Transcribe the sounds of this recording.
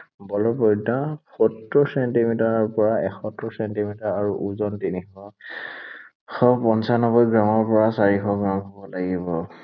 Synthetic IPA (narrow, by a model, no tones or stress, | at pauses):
bɔlɔpɔjdaxɔtɹɔsɛntimitaɹɔɹpɔɹaɛxʰɔtɹɔsɛntimitaɹaɹuʔuzɔntinixɔ | xɔpɔnsanɔbɔjɡɹamɔɹpɔɹasaɹixɔɡɹamɦɔbɔlaɡibɔ